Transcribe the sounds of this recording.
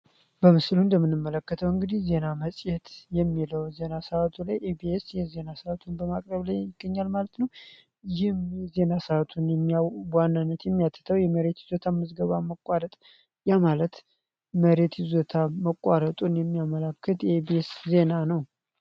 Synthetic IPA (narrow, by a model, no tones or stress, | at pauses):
bəmɨslund̪əmːɨnɨmːələkːət̪ʰəwɨŋɡɨd̪ihze̞naməsʼjɛt̪jɛmːiləwze̞nasəat̪ʰulajʔebiesjɛze̞nasəat̪ʰunbəmakʼɾəβlajjɪɡ̥ːəɲːalmalət̪nəw | jɪhmjze̞nasəat̪ʰunjɛmːijawbwanːanːət̪jɛmːijat̪ʰːɨ̥t̪ʰəwjɛməɾe̞t̪jɪzo̞t̪ʰaməzɡəβaməkʼwaɾət̪ʼ | jamalət̪ | məɾe̞t̪jɪzot̪ʰaməkʼːaɾət̪ʼunjɛmːijaməlakʰːɨt̪jɛebiesze̞nanəw